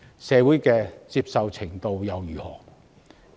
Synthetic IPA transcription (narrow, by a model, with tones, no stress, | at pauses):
sɛː˧wu˨˥jkɛː˧t͡siː˧p̚sɐ˨wt͡sʰɪ˨˩ŋt̪o˧wjɐ˨wjyː˨˩hɔ̰ː˨˩